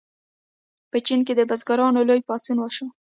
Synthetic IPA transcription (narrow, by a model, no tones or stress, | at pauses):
pət͡ʃink̬ed̪əbazɡaɾɑnolojpɑt͡sunwəʃo